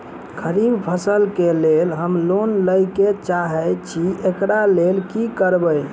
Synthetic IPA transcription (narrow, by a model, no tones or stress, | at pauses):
kʰəɾibpʰəsəlkelelɦəmlonləjket͡ʃaɦət͡ʃʰiekɽalelkikəɾbəj